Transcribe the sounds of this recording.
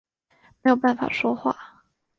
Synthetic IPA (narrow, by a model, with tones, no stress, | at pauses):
me˧˥jo˨˩pa˥˩nfa̰˨˩ʂwɔ˥xwa̰˥˩